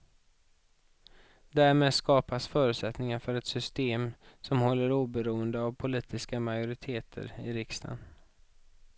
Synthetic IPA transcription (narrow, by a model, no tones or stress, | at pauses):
d̪æːɾmeːd̪skɑːpasfœːɾʉ̟t̪sɛt̪nɪŋaɾfœɾɛt̪sʏst̪eːmsɔmhɔlːəɾuːbɛɾuːənd̪əavpʰʊliːt̪ɪskamajʊɾɪt̪ʰeːt̪ʰə̰ɾɪɾɪkst̪ʰa̰n